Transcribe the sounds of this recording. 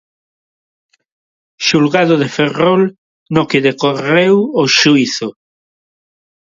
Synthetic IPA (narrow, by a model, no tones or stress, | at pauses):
ʃulɣaðoðeferol | nokeðekorewoʃuiθo